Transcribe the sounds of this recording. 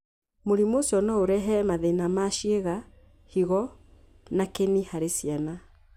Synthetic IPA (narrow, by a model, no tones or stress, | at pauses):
moɾimosjɔnɔoɾɛɦɛmaðenamaʃieɣa | hiɣɔ | nakenihaɾesjana